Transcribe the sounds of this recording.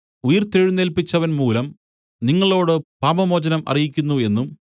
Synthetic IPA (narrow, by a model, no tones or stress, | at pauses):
ujɐrt̪eɻunːelpit͡ɕːɐʋɐnmuːlɐm | niŋːɐɭo̞ːɽɨpaːmɐmo̞ːd͡ʑɐnɐmʔɐ̰rijikʲːunːue̞nːum